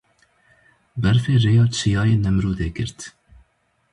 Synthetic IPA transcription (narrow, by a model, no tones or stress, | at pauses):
bɛɾfeːreːjɑːt͡ʃʰijɑːjeːnɛmɾuːd̪eːkɨ̰ɾt̪